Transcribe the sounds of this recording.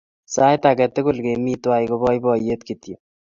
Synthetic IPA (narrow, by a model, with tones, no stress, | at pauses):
sa˦jt̪a˨kɛ˨t̪ʊ˦kʊ˨lke˨miː˦t̪wa˦jko˦bɔ˦jbɔ˨jet̪kit̪jo˨